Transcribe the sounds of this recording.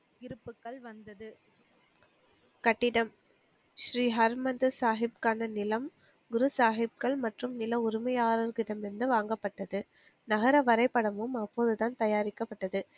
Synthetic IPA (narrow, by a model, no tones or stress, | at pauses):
ɪɾɯpːɯkːɐɭʋɐnd̪ɐðɯ | kɐʈːɪɽɐm | ʃɾiːɦɐɾmɐd̪ɯsaːɦɪb̚kaːnɐnɪlɐm | ɡʊɾɯsaːɦɪb̚kɐɭmɐʈrɯmnɪlɐʊɾɪmɐjaːɾɐɾɣɪɽɐmɛnd̪ɯʋaːŋɡɐpːɐʈːɐðɯ | nɐɣɐɾɐʋɐɾɐɪpːɐɽɐmɯmɐpːoːðɯt̪aːnt̪ɐjaːɾɪkːɐpːɐʈːɐðɯ